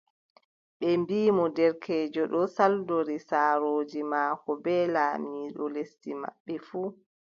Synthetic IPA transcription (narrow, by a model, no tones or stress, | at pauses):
ɓɛmbiːmɔdɛɾkʰɛːd͡ʒɔɗɔsaldoɾisaːɾoːd͡ʒimaːkɔbɛːlaːmiːɗɔlestima̰ɓːɛfuː